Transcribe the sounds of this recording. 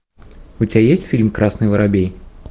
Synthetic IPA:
utʲbʲajesʲtʲfʲilʲmkɾʔasnɨjvəɾabʲej

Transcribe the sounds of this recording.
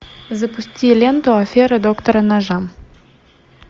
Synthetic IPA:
zɐpusʲtʲilʲent̪oɐfʲeɾɐd̪okt̪oɾɐnaʒam

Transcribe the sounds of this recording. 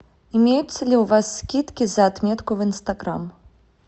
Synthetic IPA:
imʲejut̪sːɐlʲiwvasːkʲit̪kʲizɐːt̪mʲɛt̪kuvinst̪ɐɡɾa̰m

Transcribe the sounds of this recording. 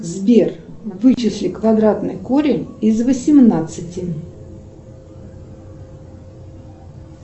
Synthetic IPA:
zbʲe̞rvɨt͡ɕɪsʲlʲɪkvɐd̪ɾat̪nɨjkoɾʲɪɪzvəsʲɪmnat̪sɨtʲɪ

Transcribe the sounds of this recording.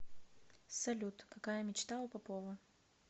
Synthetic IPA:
sɐlʲut̪kɐkajəmʲɪt͡ɕt̪aʊpɐpɔvɐ

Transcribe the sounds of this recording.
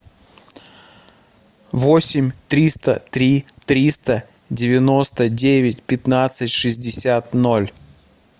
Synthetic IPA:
vosʲɪmʲt̪ɾʲist̪ə̰t̪ɾʲit̪ɾʲist̪ə | dʲɪvʲɪnost̪ədʲevʲɪtʲpʲɪt̪nat̪sɨtʲʂɨzʲdʲɪsʲat̪nolʲ

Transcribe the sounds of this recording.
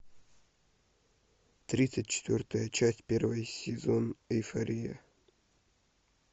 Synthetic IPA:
t̪ɾʲit̪sɨt̚ʲt͡ɕɪ̥t̪vʲort̪əjət͡ɕasʲtʲpʲervəjsʲɪzonɪfɐɾʲijə̰

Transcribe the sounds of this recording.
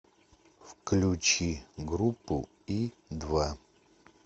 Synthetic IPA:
fklʲut͡ɕiɡɾupːṵ | i | d̪va

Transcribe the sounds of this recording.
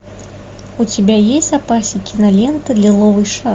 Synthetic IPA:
ut͡sʲabʲajesʲtʲapasʲikʲinalʲɛnt̪ɨd̪lʲilˠɔvɨjʂa

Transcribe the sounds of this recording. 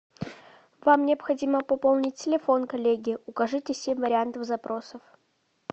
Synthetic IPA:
vamnʲɪɐpxɐdʲiməpɐpolˠnʲɪtʲtʲɪlʲɪfo̞nkɐlʲeɡʲɪʊkɐʐɨtʲɪsʲemʲvəɾʲɪant̪əvzɐpɾʔo̞səf

